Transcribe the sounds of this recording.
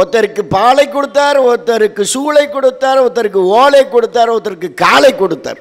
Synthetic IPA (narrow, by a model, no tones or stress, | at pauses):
ɔt̪ːɐɾɯkːɯpaːlɐɪkːɔɽɯt̪ːaːɾɔt̪ːɐɾɯkːɯsuːlɐɪkːɔɽɯt̪ːaːɾɔt̪ːɐɾɯkːɯoːlɐɪkːɔɽɯt̪ːaːɾɔt̪ːɐɾɯkːɯkaːlɐɪkːɔɽɯt̪ːa̰ːɾ